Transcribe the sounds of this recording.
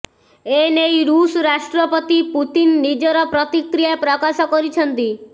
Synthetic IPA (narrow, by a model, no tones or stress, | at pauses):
enejɾusɾasʈɾɔpɔt̪iput̪inːid͡ʒɔɾɔpɾɔt̪ikɾijapɾɔkasɔkɔɾit͡ʃʰɔnt̪i